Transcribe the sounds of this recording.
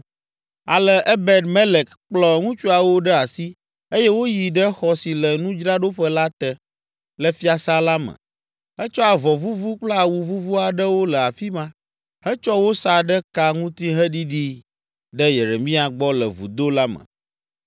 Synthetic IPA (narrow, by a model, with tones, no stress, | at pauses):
a̰˨lɛ˨ʔɛ˦bɛ˦d̪mɛ˦le˨kk͡plɔ˦ŋũ˦t͡ʃu˦a˨wo˦ɖɛ˦a˨si˦ | e˦jɛ˦wo˦ji˨ɖɛ˦xɔ˦si˨lə˨nũ˦d͡ʒɾa˦ɖo˦ɸə˦la˦t̪ɛ˦ | lə˨fi˦a˨sa˦la˦mə̰̃˨ | ɛ˦t͡ʃɔ˦a˨vɔ˨vu˦vu˦k͡pla˨wu˨vu˦vu˦a˨ɖə˦wo˦lɛ˨a˨fi˦mã˦ | ɦɛ˦t͡ʃɔ˦wo˦sa˦ɖə˦ka˦ŋũ˦t̪i˦ɦə˦ɖi˦ɖi˦ | ɖə˦je˨ɾe˨mĩ˦a˨ɡ͡bɔ˦lə̰˨vṵ˨d̪o˦la˦mə̰̃˨